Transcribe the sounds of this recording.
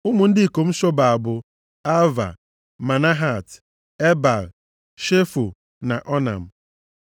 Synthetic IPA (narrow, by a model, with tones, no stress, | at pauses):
ʊ˦mʊ˨n̩˦dɪ˦˨ko˨m̩˦ʃo˦ba˨a˨bʊ˨ | a˦va̰˨ | ma˨na˦ɦa˦˨t | e˦ba˨l | ʃe˦fu˨ | na˨ʔɔ˦na̰˨m̩˨